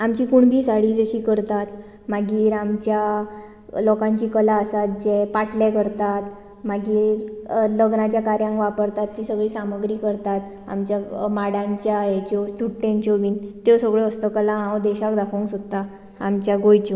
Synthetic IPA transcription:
amt͡ɕiːkuɳbʱiːsaɽiːd͡ʑəɕiːkəɾt̪at̪ | maɡiːɾamt͡ɕja | lɔkãɲt͡ɕiːkəlaəsat̪̚d͡ʑepaʈʰlɛkəɾt̪at̪ | maɡiːɾləɡnat͡ɕjakaɾjãŋkʋapəɾt̪at̪ːiːsəɡɭiːsaməɡɾiːkəɾt̪at̪ | a̰mt͡ɕjamaɽãɲt͡ɕjajet͡ɕɔsuʈːẽɲt͡ɕɔʋiːnt̪esəɡɭeəst̪əkəlaɦãwd̪ɛɕakd̪akʰəŋksot̪ːa | a̰mt͡ɕjaɡojt͡ɕɔ

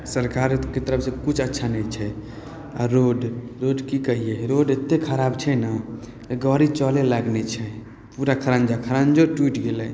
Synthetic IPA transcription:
səɾkaɾket̪əɾəpsẽkut͡ʃʰətːʃʰanɛt͡ʃʰɛ | a̰ɾoɖɾoɖkikəɦiɛɾoɖet̪ːekʰəɾabt͡ʃʰɛna | ɡɔɾit͡ʃɔleləɡnɛt͡ʃʰɛ | puɾakʰəɾãnd͡ʒakʰəɾand͡ʒoʈuiʈɡelɛ

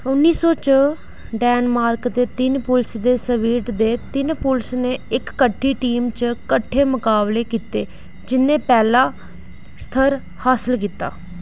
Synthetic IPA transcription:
ʊnːiːsoːt͡ʃə | ɖɛːnmaːɾkd̪eːt̪ɪnpʊlsd̪eːsəʋiːʈd̪eːt̪ɪnpʊlsneːɪkːəʈʰːiːʈiːmt͡ʃkəʈʰːeːmʊkaːbleːkiːt̪eː | d͡ʒɪnːẽːpɛːlaː | st̪ʰəɾ | haːsɪlkiːt̪ːa̰ː

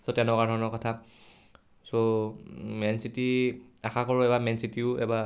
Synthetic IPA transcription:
sotɛ̃nkaɹdʱɔɹɔnɔkɔtʰa | so | mɛnsitiaxakɔɹʊɛbamɛnsitiʊɛ̰ba

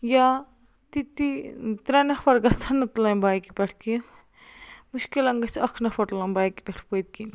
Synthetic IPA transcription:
ja | t̪it̪it̪ɾɐnɐpɐɾɡɐt͡sʰɐnːɐt̪lɐnbaːjkipʲeʈʰki | muʃkilɐŋɡɐsɐkʰnɐpʰɐʈulɐnbaːjkipeʈʰpot̪̚kin

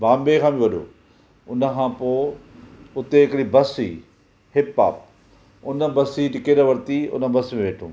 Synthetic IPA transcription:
baːmbekʰãːbiʋɐɗo̰ː | ʊnəkʰãːpoː | ʊt̪eɪkɽibɐsḭː | hɪpːa̰ːp̚ | ʊnə̆bɐsiʈɪkeːɾəʋɐɾt̪iʊ̰nə̆bɐsmẽʋeːʈʰṵ̃ː

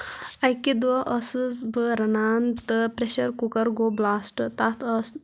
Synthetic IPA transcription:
ɐjkːid̪ʋɐʔɐsɨzbɨɾɐnaːnt̪ɨpɾeʃɐɾkukɐɾɡoːblaːsʈɨt̪at̪ʰəs

